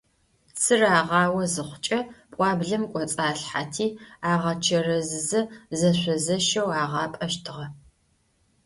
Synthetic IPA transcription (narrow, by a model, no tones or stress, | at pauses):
sɨraːʁɑːwɐzɨχʷʊt͡ʃʼɐpʷʼɑːbɮɐmkʷʼɔt͡sʼaːɬħatʰiːaːʁɐt͡ʃʰɐrɐzɨzɐzɐɕʷɔzɐʃɐwaːʁɑːpʼɐʃtʰɨʁɐ